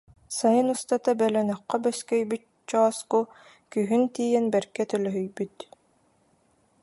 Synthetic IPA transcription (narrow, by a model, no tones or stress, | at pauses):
sajɯnust̪at̪abɛlɛnœqːœbœskɛjbyt̪̚t͡ɕɔːsku | kyɦynt̪iːjɛnbɛɾɡɛt̪œlœɦœjbyt̪